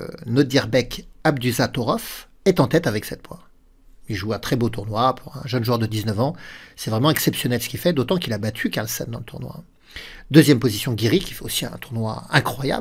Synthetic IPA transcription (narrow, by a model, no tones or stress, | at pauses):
nod̪iʁbɛkab̚d̪yzat̪ɔʁɔf | ɛt̪ɑ̃t̪ɛt̪avɛksɛt̪̚pwa̰ | ilʒuɛ̃t̪χɛbot̪uʁnwapʰuʁɛ̰̃ʒənʒuœʁd̪əd̪iznəvɑ̃sɛvʁɛmɑ̃ɛksɛpsjɔnɛlsə̥kʲifɛd̪ot̪ɑ̃kilabat̪ʰykaʁlsɛ̰nd̪ɑ̃lət̪ʰuʁnwa̰ | d̪øzjɛmpozisjɔ̃ɡʲiʁikʲifɛosiɛ̰̃t̪uʁnwa̰ɛ̃kχwaja̰b